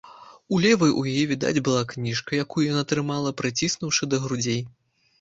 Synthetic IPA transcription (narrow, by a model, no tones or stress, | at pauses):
ulʲɛvɐjʔṵjajɛvʲid̪a̰d͡zʲbɨlˠaknʲiʂkɐjakujujanat̪ɾɨmalˠɐpɾɨt͡sʲisnuwʂɨd̪ɐɣɾud͡zʲej